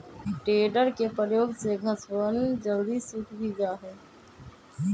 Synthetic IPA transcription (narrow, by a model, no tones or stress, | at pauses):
ʈeːɖəɾkepɾəjoːɡseɡʱəswənd͡ʒəld̪isuʈʰbʱid͡ʒaːɦɛː